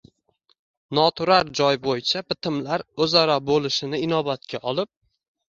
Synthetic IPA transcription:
nɒt̪ʰʊɾaɾd͡ʒɒjbojɪt͡ʃʰabɪt̪ʰɪmlaɾɵzaɾabolɪʃɪnɪɪnɒbat̪kʲʰaʔɒlˠɪp̚

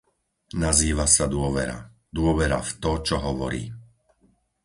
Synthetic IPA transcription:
naziːʋasad̪ʊɔʋɛɾa̰ | d̪ʊɔʋɛɾa̰ft̪ɔt͡ʃɔɦɔʋɔ̰ɾḭː

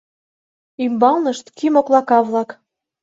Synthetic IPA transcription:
ymbɑlˠnəʃt̪kymoklˠɑkɑβlɑk

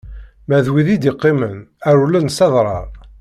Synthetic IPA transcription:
mæðwiðid̪iqːimənæɾulːænsɑðˤɾˤɑ̰ˤ

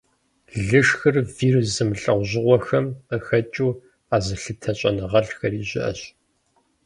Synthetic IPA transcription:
ɮɨʂxɨrviːrzɨmɬʼɐʁʷʑɪʁʷɔxɐməxɐt͡ʃʼuː | aːzɨɬɨtʰɐɕʼɐnɨʁɐɬxɐriːʑɪ̰ʔɐ̰ɕ

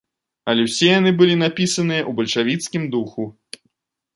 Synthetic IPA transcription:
ɐlʲɛwsʲɛjanɨbɨlʲinapʲisɐnɨjɐʔubɐlʲʂavʲit̪skʲimd̪uxu

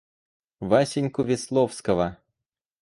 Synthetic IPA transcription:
vasʲɪnʲkʊvʲɪslˠofskəvə

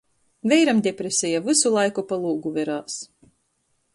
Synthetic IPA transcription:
vʲɛjɾamd̪ʲɛpɾesʲɛjavɨsulˠajkupalˠuːɡuvʲɛɾaːs

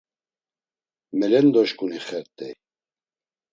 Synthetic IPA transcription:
mɛlɛnd̪ɔʃkuniχɛɾt̪ɛ̰

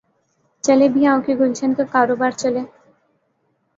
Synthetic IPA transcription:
t͡ɕelebiɦãwkeɡult͡ɕʰenkekaɾobaɾt͡ɕole

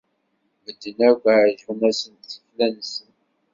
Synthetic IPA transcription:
məd̪ːənæɡʷaʕʒunæsənt̪θə̥flænsən

